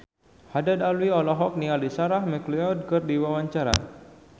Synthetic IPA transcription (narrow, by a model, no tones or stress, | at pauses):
hadadalwiɔlɔɦɔk̚nialisaɾahmɛkliɔd̚kɨrdiwawaɲt͡ʃaɾa̰